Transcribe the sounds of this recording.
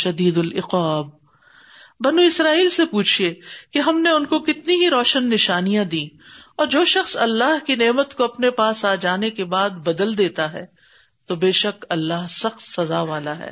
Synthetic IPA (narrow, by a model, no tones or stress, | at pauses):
ʃɐd̪iːd̪ʊlɪqaːb̚ | bɐnuɪsɾaːiːlsepuːt͡ʃʰiekeɦɐmneʊnkokɪt̪niɦiɾɔːʃənːɪʃaːnijãd̪ĩːɔːɾd͡ʒoːʃɐxsɐlːaːɦkineːmət̪koɐpnepaːsaːd͡ʒaːnekebaːd̪bɐd̪əld̪eːt̪aɦɛː | t̪obeːʃɐkɐlːaːɦsɐxt̪sɐzaʋaːlaɦɛ̰ː